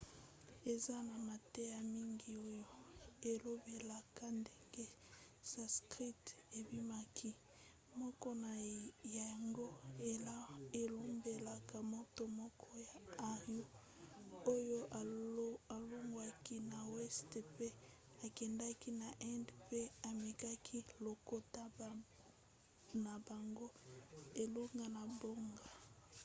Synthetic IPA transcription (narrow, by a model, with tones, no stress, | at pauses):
e˨za˦na˨ma˨tɛ˦ja˦mi˦ŋɡi˨o˦jo˦e˨lo˦be˨la˨ka˦nde˦ŋɡe˦ | sa˨skʁi˦te˨bi˦ma˦kʰi˦ | mɔ˦kɔ˦na˨ja˨a˨ŋɡo˦e˨la˦e˨lo˦mbe˨la˨ka˨mo˦to˦mɔ˦kʰɔ˦ja˨a˨ju˦ | o˦jo˦˨a˨lo˦ŋɡwa˨ki˦na˨wɛ˦ste˨pe˦ | a˨kɛ˨nda˦ki˦na˨ʔɛ˦ndpe˦a˨me˨ka˦kʰi˦lo˨ko˦ta˦ | na˨ba˨ŋɡo˦e˨lo˦ŋɡa˨na˨bo˦ŋɡa˨